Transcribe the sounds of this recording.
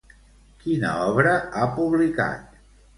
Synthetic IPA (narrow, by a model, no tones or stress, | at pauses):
kinə̰ɔβɾəapuβlika̰t̪̚